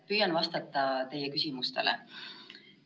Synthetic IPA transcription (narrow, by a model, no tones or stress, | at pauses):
pyjɑnvɑst̪ɑt̪ːˑɑt̪e̞jːekysʲimust̪e̞̰lḛ